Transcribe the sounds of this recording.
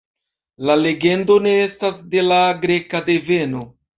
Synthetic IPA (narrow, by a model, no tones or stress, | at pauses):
lale̞ɡe̞ndo̞ne̞estasde̞laɡɾe̞kade̞ve̞no̞